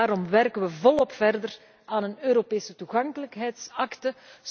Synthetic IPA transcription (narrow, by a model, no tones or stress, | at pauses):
aːɾɔmʋɛrkənʋəvɔlɔpfɛrdər | aːnənøːɾopeːsətuɣɑŋkələkɦɛjtsɑktə